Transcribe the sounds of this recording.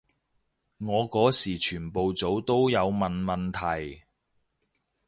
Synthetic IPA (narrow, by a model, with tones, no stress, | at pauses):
ŋɔː˨˧kɔː˨˥siː˨˩t͡ʃʰyː˨˩npo˨wt͡so˨˥wt̪o˥wjɐ˨˧wmɐ˨nmɐ˨nt̪ʰɐ˨˩j